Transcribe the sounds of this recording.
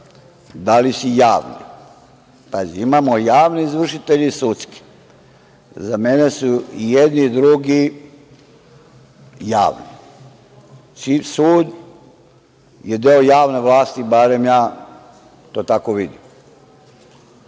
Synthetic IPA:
d̪alisujaːʋnḭ | paziimamojaːʋniizʋr̩ʃit̪eʎisut̪ski̥ | zame̞ne̞suijed̪nid̪ɾuɡi | ja̰ːʋnḭ | t͡ʃisuːd̪ | jed̪eojaːʋneʋlˠaːst̪ibaɾe̞mjaː | t̪oːt̪ako̞ʋid̪im

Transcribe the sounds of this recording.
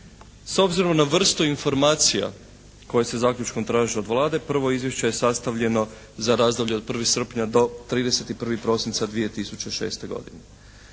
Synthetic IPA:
so̞bziɾo̞mnaʋr̩st̪uinfo̞ɾmaːt̪sija̰ | ko̞je̞se̞zaːkʎut͡ʃko̞mt̪ɾaːʒio̞d̪ʋlˠaːd̪e̞pr̩ʋo̞izʋje̞ʃt͡ɕeje̞sast̪aʋʎe̞no̞ | zaɾaːzd̪oʋʎʲed̪̚pr̩ʋixsr̩pɲad̪o̞t̪ɾiːd̪e̞se̞t̪ipr̩ʋipɾo̞sint̪sad̪ʋije̞t̪isut͡ɕe̞ʃe̞̰ːst̪e̞ɡo̞̰d̪ine

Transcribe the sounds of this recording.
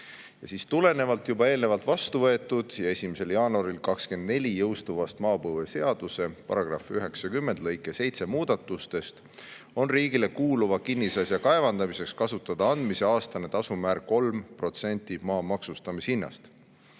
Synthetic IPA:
jɑsiːst̪ule̞ne̞vɑlt̪jubɑe̞ːlne̞vɑlt̪vɑst̪uvɤ̞e̞t̪ˑːud̪̥jɑe̞sʲimese̞ljɑːnuɑɾilkɑkske̞nd̪̥ne̞lʲijɤwst̪uvɑst̪mɑːpɤvese̞ɑd̪̥use̞pɑ̰ɾɑɡ̥rɑ̰fyɦe̞ksɑkymːe̞nd̪̥lɤ̞jkːˑe̞se̞jt̪se̞muːd̪̥ɑt̪ːˑust̪e̞st̪ | o̞nriːɡ̥ile̞kuːluvɑkinːisɑsjɑkɑe̞vɑnd̪ɑmise̞kskɑsut̪ːˑɑd̪ɑɑnd̪̥mise̞ɑːst̪ɑne̞t̪ɑsumæːɾko̞lmpro̞t̪se̞nʲt̪ːˑimɑːmɑksust̪ɑmishinːɑ̰st̪

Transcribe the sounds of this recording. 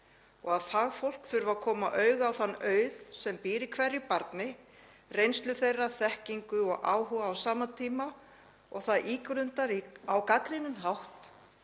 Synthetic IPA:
ɔɣaðθaɣfowl̥kθʏɾvakʰɔːmaʔœɥɣawθanːœːɥðsɛmpiːɾɪkʰvɛrːɪpaɾt̪nɪ | rejnst̪lʏθejrːaθɛhciŋkʏɔɣʔa̰ːwɦuɣaːwsaːmant̪ʰiːma | ɔ̰ɣθaðʔiːkɾʏnt̪aɾiawkakɾɪnːʏnɦawht̪

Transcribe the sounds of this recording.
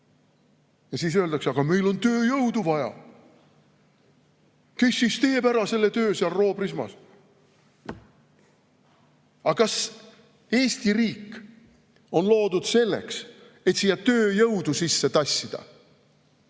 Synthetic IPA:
jɑsiːs̬øld̪ɑkseɑɡ̥ɑmejlo̞nt̪ø̞ːjɤwd̪uvɑjɑ̰ | ke̞sːist̪e̞ːbæɾɑse̞lːe̞t̪øːseɑlro̞ːbrismɑ̰s | ɑkɑs | e̞ːst̪iriːkːˑ | o̞nlo̞ːd̪ud̪̥se̞lːḛks | e̞t̪siːjɑt̪øːjɤwd̪usisːe̞t̪ɑsʲːid̪̥ɑ̰

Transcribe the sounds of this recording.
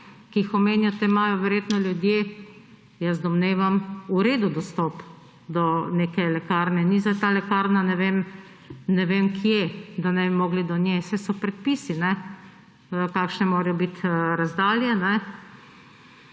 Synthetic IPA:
kiixɔmeːnjɔt̪emajɔʋɛɾjeːt̪nɔljʊd̪je | jəzd̪ɔmneːʋamuɾeːd̪ud̪ɔst̪ɔp | d̪ɔnekɛlɛkaːɾnɛnizat̪aːlɛkaɾnanɛʋem | nɛʋeːmkʰjed̪anɛbimɔːɡlid̪ɔnjesɛsɔpɾɛt̪̚piːsinɛ | kaːkʃnɛmoːɾɛjɔbit̪ɾazd̪aːljɛnɛ

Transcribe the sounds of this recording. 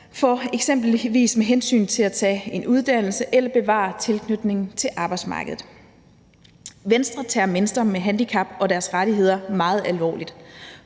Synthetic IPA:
fɒeɡ̥sem̰b̥l̩ʋḭːsmeɦensy̰ːnt͡sʰe̝læt͡sʰɛ̰ːe̝nʔuð̞ˠd̥æn̰l̩səʔelɐb̥e̝ʋɑ̰̈ːt͡sʰe̝lkʰnød̥ne̝ŋn̩t͡sʰe̝ʔɑ̈ːb̥ɑɪdsmɑ̈ːɡ̥əð̩ˠ | ʋensd̥ʁɐt͡sʰɛɐme̝nsd̥ʁɐmeɦænd̥ikʰɑb̥ɒ̽d̥æɐsʁaɾ̥iɦe̝ð̞̰ˠɐmɑ̈ːð̞̩ˠælʋɒ̰ːlid̥

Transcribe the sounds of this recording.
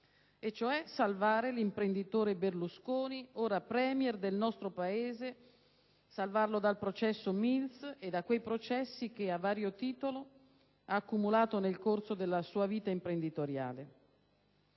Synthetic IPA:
et͡ʃːoɛsalvaːɾelimpɾend̪it̪oːɾeberluskoːnioːɾapɾɛːmjɛrd̪elnɔst̪ɾopaeːze | salvarlod̪alpɾot͡ʃɛsːomilsed̪akːwejpɾot͡ʃɛsːik̟eavːaːɾjot̪iːt̪olo | aːkːumulaːt̪onelkorsod̪elːasuːaviːt̪aimpɾend̪it̪oɾja̰ːle

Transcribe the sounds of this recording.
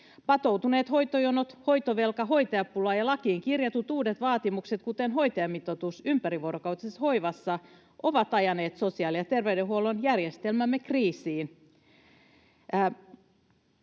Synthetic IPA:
pɑt̪owt̪uneːt̪hojt̪ojonot̪ho̞jt̪oʋe̞lkɑɦo̞jt̪eɑpulɑːjɑlɑkiːŋkirjɑt̪ut̪uːdet̪ʋɑːt̪imukset̪kut̪enɦo̞jt̪eɑmːit̪ot̪usympæɾiʋoɾokɑwt̪isesho̞jʋɑsːɑ | ʔo̞ʋɑt̪ɑjɑneːt̪so̞siɑːljɑt̪erʋeydeɦuolonjærjest̪elmæmːekriːsiːn

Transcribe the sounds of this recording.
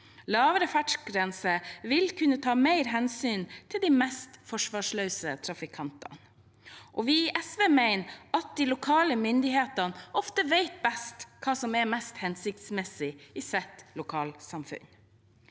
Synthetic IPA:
lɑːʋəɾəfæʈʂɡɾɛnsəʋɪlkʰʉnːət̪ʰɑːmeɪɾɦɛnsyːnt̪ʰɪld̪imɛst̪fɔʂʋɑːʂlœʉsət̪ʰɾɑfɪkʰɑnt̪ɑ̰n | ʔɔʋɪʔɛsʋeːmæɪnɑt̪̚d̪ilʊkʰɑːləmʏnd̪ɪheːt̪ɑnɔft̪əʋeɪt̪̚bɛst̪kʰɑːsɔmɛɾmɛst̪hɛnsɪk̚t̪smɛsɪɪsɛt̪lʊkʰɑːlsɑmfʉ̰n

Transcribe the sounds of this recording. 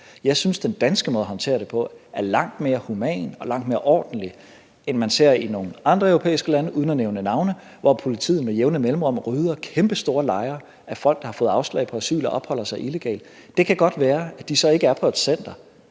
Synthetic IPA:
jɑ̈ɪsynsd̥end̥ænsɡ̥əmɔðˠɐɦɒ̽nt͡sʰe̝̰ːɐd̥e̝pʰɒ̽æɐlɑ̈ŋ̰d̥me̝ːɐhumɛ̰ːnɒ̽lɑ̈ŋ̰d̥meɐʔɒ̰ːd̥n̩li | enmænse̝ɐ̰ino̝ːŋn̩ɑ̈nd̥ʁɐœʊʁopʰḛːɪisɡ̥əlænəʔuðˠn̩æneʊnənɑ̈ʊnə | ʋɒpʰo̝lit͡sʰḭðˠn̩ˠmejeʊnəmelm̩ʁɑ̽m̰ʁyːðˠɐkʰemb̥əsd̥o̝ːɐlɑ̈ɪɐ | ʔæfɒ̽l̰ɡ̥̚d̥ɑ̈hɑ̈fɔ̽ːð̩ˠɑ̈ʊslɛ̰ɪpʰɒ̽æsy̰ːlɒʔɒ̽b̥hɒ̽l̰ɐsɑ̈ɪʔile̝ɡ̥ɛ̰ːld̥ | d̥e̝kʰæɡ̥ɒ̽d̥ʋæːɐæd̥isɒ̽e̝ɡ̥əæɐpʰɒ̽e̝d̥sen̰d̥ɐ

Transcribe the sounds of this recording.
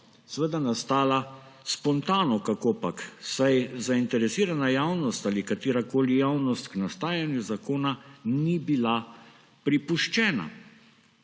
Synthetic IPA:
sʋəd̪anast̪aːla | spɔnt̪aːnɔkakoːpaksajzaint̪ɛɾɛsiːɾanajaːwnɔst̪aːlikat̪iːɾakoːlijawnɔst̪knast̪aːjanjuzakoːnanibila | pɾipuʃt͡ʃɛːna̰

